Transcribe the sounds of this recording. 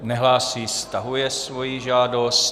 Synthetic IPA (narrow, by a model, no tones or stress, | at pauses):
nɛɦlaːsiːst̪aɦujɛsvo̞jiʒaːdo̞st